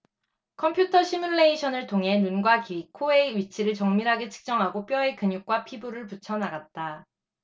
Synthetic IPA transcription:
kʰʌmpʰjutʰʌɕʰimuɭːe̞iɕʰʌnɯɭtʰoŋɦe̞nunɡwakikʰoeiɥit͡ɕʰiɾɯɭt͡ɕʌŋmiɾɦaɡe̞t͡ɕʰɯ̥k̚t͡ɕ͈ʌŋɦaɡop͈jʌekɯɲuk̚k͈wapʰibuɾɯɭput͡ɕʰʌnaɡat̚t͈a

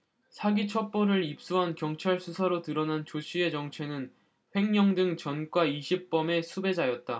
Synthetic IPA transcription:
sʰaɡit͡ɕʰʌp͈oɾɯɾip̚s͈uɦankjʌŋt͡ɕʰaɭsʰusʰaɾotɯɾʌnant͡ɕoɕʰie̞t͡ɕʌŋt͡ɕʰe̞nɯn | ɸe̞ŋɲʌŋdɯŋt͡ɕʌnk͈waiɕʰip̚p͈ʌme̞sʰube̞d͡ʑajʌt̚t͈a

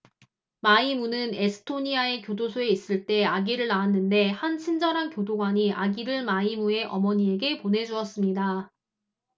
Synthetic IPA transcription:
maimunɯne̞sʰɯ̥tʰoɲiae̞kjodosʰoe̞is͈ɯɭt͈e̞aɡiɾɯɭːaanːɯnde̞hant͡ɕʰind͡ʑʌɾɦankjodoɡwaɲiʔaɡiɾɯɭmaimue̞ʔʌmʌɲie̞ɡe̞pone̞d͡ʑuʌs͈ɯmɲida

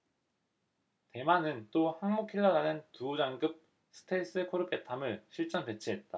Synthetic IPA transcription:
te̞manɯnt͈ohaŋmokʰiɭːʌɾanɯntuud͡ʑaŋɡɯp̚ | sʰɯ̥tʰes͈ɯkʰoɾɯpe̞tʰamɯɭɕʰiɭt͡ɕ͈ʌnpe̞t͡ɕʰiɦe̞t̚t͈a

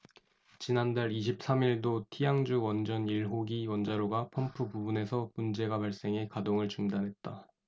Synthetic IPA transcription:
t͡ɕinandaɭiɕʰip̚s͈amiɭdotʰijaŋd͡ʑuwʌnd͡ʑʌniɭɦoɡiwʌnd͡ʑaɾoɡapʰʌmpʰupubune̞sʰʌmund͡ʑe̞ɡapaɭs͈e̞ŋe̞kadoŋɯɭt͡ɕuŋdanɦe̞t̚t͈a

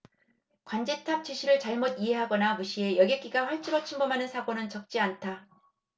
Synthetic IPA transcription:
kwand͡ʑe̞tʰap̚t͡ɕiɕʰiɾɯɭt͡ɕaɭmodiɦe̞ɦaɡʌnamuɕʰie̞jʌɡjek͈iɡaɸwaɭt͡ɕ͈iɾot͡ɕʰimbʌmɦanɯnsʰaɡonɯnt͡ɕʌk̚t͡ɕ͈iantʰa

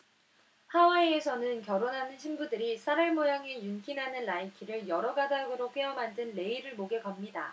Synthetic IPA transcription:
hawaiːsʰʌnɯnkjʌɾonɦanɯnɕʰinbudɯɾisʰaɾaɭmojaŋejunk͈inɦanɯnlaikʰiɾɯɭjʌɾʌɡadaɡɯɾok͈eʌmandɯnːe̞iɾɯɭmoɡe̞ɡʌmɲida

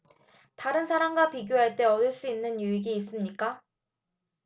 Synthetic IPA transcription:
taɾɯnsʰaɾaŋɡapiɡjoɦaɭt͈e̞ʌdɯɭs͈uinːɯnjuiɡiːs͈ɯmɲik͈a

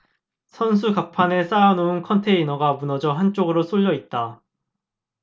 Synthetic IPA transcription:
sʰʌns̬ʰukapʰanes͈anounkʰʌntʰe̞inʌɡamunʌd͡ʑʌɦant͡ɕ͈oɡɯɾos͈ʰoʎːʌit̚t͈a

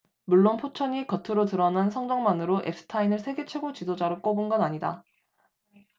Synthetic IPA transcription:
muɭːonpʰot͡ɕʰʌɲikʌtʰɯɾotɯɾʌnɦansʰʌŋd͡ʑʌŋmanɯɾoʔe̞̰p̚s͈ʰɯ̥tʰainɯɭsʰe̞ɡe̞t͡ɕʰwe̞ɡot͡ɕidod͡ʑaɾok͈obonɡʌnaɲida

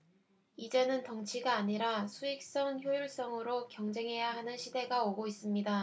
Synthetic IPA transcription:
id͡ʑenɯntʌŋt͡ɕʰiɡaːɲiɾasʰuik̚s͈ʌŋçjojuɭs͈ʌŋɯɾokjʌŋd͡ʑe̞ŋɦe̞jaɦanɯnɕʰide̞ɡaoɡois͈ɯmɲida

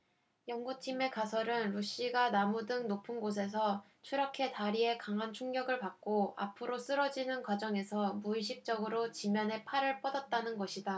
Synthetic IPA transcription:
jʌŋɡut͡ɕʰime̞kasʰʌɾɯnɾuɕ͈iɡanamudɯŋnopʰɯnɡos̬ʰe̞s̬ʰʌ | t͡ɕʰuɾʌkʰe̞taɾie̞kaŋɦant͡ɕʰuŋɡjʌɡɯɭpak̚k͈oa̰pʰɯɾos͈ɯɾʌd͡ʑinɯnkwad͡ʑʌŋe̞sʰʌmuiɕ̬ʰip̚t͡ɕ͈ʌɡɯɾot͡ɕimjʌnɦe̞pʰaɾɯɭp͈ʌdat̚t͈anɯnɡʌɕʰida

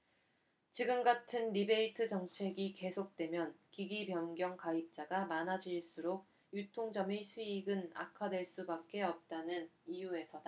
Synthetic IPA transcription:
t͡ɕiɡɯmɡatʰɯnɾibe̞itʰɯd͡ʑʌŋt͡ɕʰe̞ɡike̞sʰok̚t͈we̞mjʌnkiɡibjʌnɡjʌŋkaip̚t͡ɕ͈aɡamanad͡ʑiɭs͈uɾoɡ̚ | jutʰoŋd͡ʑʌmisʰuiɡɯna̰kʰadwe̞ɭs͈ubak̚k͈e̞ʌp̚t͈anɯnijue̞sʰʌda

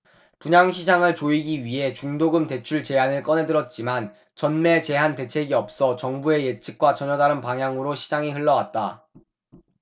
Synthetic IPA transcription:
puɲaŋɕʰid͡ʑaŋɯɭt͡ɕoiɡiɥiɦe̞t͡ɕuŋdoɡɯmte̞t͡ɕʰuɭt͡ɕe̞ɦanɯɭk͈ʌne̞dɯɾʌt̚t͡ɕ͈iman | t͡ɕʌnme̞t͡ɕe̞ɦante̞t͡ɕʰe̞ɡiʌp̚s͈ʌt͡ɕʌŋbue̞jet͡ɕʰi̥k̚k͈wat͡ɕʌɲʌdaɾɯnpaŋjaŋɯɾoɕʰid͡ʑaŋiɸɯɭːʌwat̚t͈a

